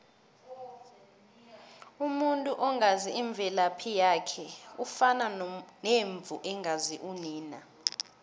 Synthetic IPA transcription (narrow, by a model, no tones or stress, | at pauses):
umuntʼuʔɔŋaziiɱb̪vʱɛlapʰijakʰɛufananeɱb̪vʱuʔɛŋɡaziʔuniːna